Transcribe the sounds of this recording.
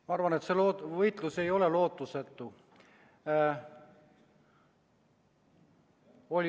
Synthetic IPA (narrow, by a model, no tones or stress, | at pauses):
mɑɑɾvɑne̞t̪se̞lovɤjt̪luse̞jo̞lelo̞ːt̪ːˑuset̪ːu | o̞lʲ